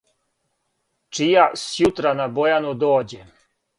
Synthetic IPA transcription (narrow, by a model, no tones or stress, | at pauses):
t͡ʂijasjut̪ɾanabojanud̪oːd͡ʑɛ